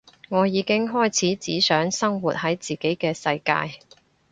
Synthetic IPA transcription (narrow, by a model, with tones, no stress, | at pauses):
ŋɔː˨˧jiː˨˧kɪ˥ŋɦɔː˥jt͡sʰiː˨˥t͡siː˨˥sœː˨˥ŋsɐ˥ŋwuː˨˩t̚hɐ˨˥jt͡siː˨˩ke˨˥jkɛː˧sɐ˧jka̰ː˧j